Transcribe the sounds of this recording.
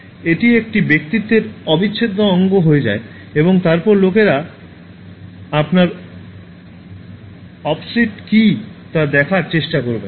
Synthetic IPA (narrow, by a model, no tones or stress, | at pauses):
eʈiek̚ʈibekt̪it̪ːeɾɔbit͡ɕːʰed̪ʱːoɔŋɡoɦoed͡ʑa̰e | eboŋt̪aɾpɔɾlokeɾa | apnaɾ | ɔpsiʈkit̪aɾd̪ɛkʰaɾt͡ɕeʃʈakoɾben